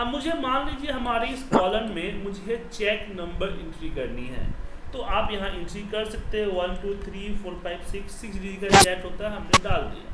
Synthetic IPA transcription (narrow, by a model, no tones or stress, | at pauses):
ɐmʊd͡ʒʱemaːnɾiːd͡ʒieɦɐmaːɾiɪskɔːləɾmẽmʊd͡ʒʱet͡ʃɛːknɐ̃mbəɾɪ̰̃ɳʈɾikɐɾniɦɛ̰̃ːt̪oːʔaːpjɐɦãʔɪ̃ɳʈɾikɐɾsɐk̚t̪eɦɛ̃ʋɐnʈuːt̪ʰɾiːfoːɾfaːɪbsɪksːɪksɾiːzikat͡ʃɛːʈɦoːt̪aɦɛɦɐmneɖaːld̪ḭja̰ː